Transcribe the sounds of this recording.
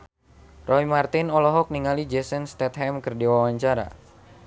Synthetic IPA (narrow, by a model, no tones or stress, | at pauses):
rɔimart̪ɪnɔlɔɦɔk̚niŋalid͡ʒɛsənst̪ɛt̪ɦɛmkərdiwawaɲt͡ʃaɾa̰